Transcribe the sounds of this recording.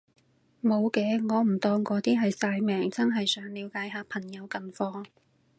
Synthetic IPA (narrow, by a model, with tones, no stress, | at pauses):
mo˨˧wkɛː˨˧ŋɔː˨˧m̩˨˩t̪ɔː˧ŋkɔː˨˥t̪iː˥ɦɐ˨jsaː˧jmɛː˨˩ŋt͡sɐ˥nɦɐ˨jsœː˨˥ŋliː˨˧wkaː˨˥jɦaː˨˧pʰɐ˨˩ŋjɐ˨˧wkɐ˨nfɔː˧ŋ